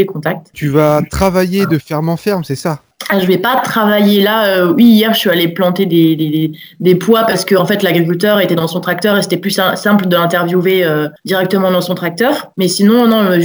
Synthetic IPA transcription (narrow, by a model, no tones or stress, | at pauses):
ekɔ̃t̪ak̚t̪t̪yvat̪χavajed̪əfɛʁmɑ̃fɛʁmsɛsa | aʒəvɛpat̪χavajelaøwiːjɛʁəsɥialeplɑ̃t̪ed̪ed̪ed̪e | d̪epwapaʁsə̥kəɑ̃fɛt̪laɡʁik̬ʲylt̪œʁet̪ɛd̪ɑ̃sɔ̃t̪χak̚t̪œʁese̥t̪ɛplysɛ̃sɛ̃pləd̪əlɛ̃t̪ɛʁvjuveød̪iʁɛk̚t̪əmɑ̃d̪ɑ̃sɔ̃t̪χak̚t̪œʁmɛsinɔ̃nɔ̃ə